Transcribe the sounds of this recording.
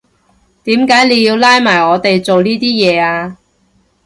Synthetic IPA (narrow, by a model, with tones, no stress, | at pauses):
t̪iː˨˥mkaː˨˥jle˨˧ji˧wlaː˥jmaː˨˩jɔː˨˧t̪e˨jt͡so˨wniː˥t̪iː˥jɛː˨˧aː˧